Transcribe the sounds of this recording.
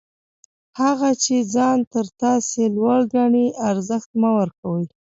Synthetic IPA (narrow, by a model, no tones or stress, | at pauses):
haɣat͡ʃed͡zɑnt̪əɾt̪ɑselwaɽɡaɳiaɾzəxt̪̚mawəɾkawəj